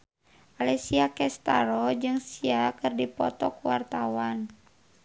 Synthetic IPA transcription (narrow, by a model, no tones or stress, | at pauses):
ʔalɛsiakɛst̪a̰ɾɔd͡ʒɨŋsiakɨrdipɔ̰t̪ɔkuwart̪awan